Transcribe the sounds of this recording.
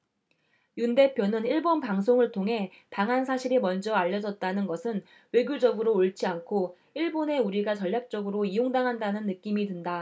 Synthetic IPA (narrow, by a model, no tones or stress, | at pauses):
junde̞pʰjonɯniɭbonpaŋs̬ʰoŋɯɭtʰoŋɦe̞ | paŋɦans̬ʰaɕʰiɾimʌnd͡ʑʌaʎːʌd͡ʑʌt̚t͈anɯnɡʌsʰɯn | we̞ɡjod͡ʑʌɡɯɾoːɭt͡ɕ͈iankʰo | iɭbone̞uɾiɡat͡ɕʌʎːak̚t͡ɕ͈ʌɡɯɾoijoŋdaŋɦandanɯnːɯk͈imidɯnda